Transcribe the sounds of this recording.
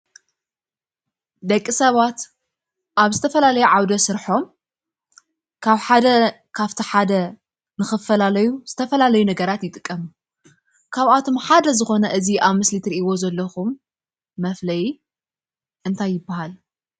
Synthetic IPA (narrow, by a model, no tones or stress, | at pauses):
d̪ɐkʼːisɐβat̪ | ʔaβzɨt̪ʰɐfɐlalɐjuʕawd̪ɐsɨɾħo̞m | kʰaβħad̪ɐ | kʰaβt̪ʰiħad̪ɐ | nɨxɨfɐlalɐjuz̥ɨt̪ʰɐfɐlalɐjunɐɡɐɾat̪jɪt̪ʼɨkʼːɐmu | kʰaβat̪ʰo̞mħad̪ɐzɨxo̞nɐʔɨziʔaβmɨslit̪ʰɨɾiʔiwo̞zɐlːɐxumː | ɐflɐji | ʔɨnt̪ʰajːɪbːahal